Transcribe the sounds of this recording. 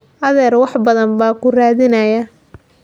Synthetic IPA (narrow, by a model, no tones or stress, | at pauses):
ʔɐðɛːrwɑħbɐðɐnbaːkʰʊraːðɪnɐjɐ